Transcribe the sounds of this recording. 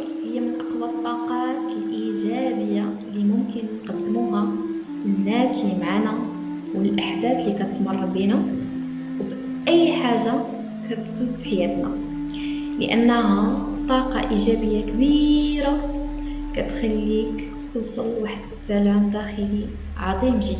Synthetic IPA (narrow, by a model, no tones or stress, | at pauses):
həjːamənʔɑqwɑt̪ˤːɑqɑt̪lʔiʒæbəjːalimʊmkənjqɑd̪ːmuɦæ | ənːæslimʕanæ | wəlʔaħd̪æd̪likæt̪ət̪mɑrˤːɑbinʊ | wb | ʔəjːħaʒːa | kæbd̪uzfħajæt̪næ | lə̰ʔənːɦæbt̪ˤːɑqɑ̰ʔiʒæbəjːakbiɾa | kæt̪xælːik | t̪əwsˤəlwaħəd̪əsːælʕumd̪æxəli | ʕɑd̪ˤimʒəd̪ː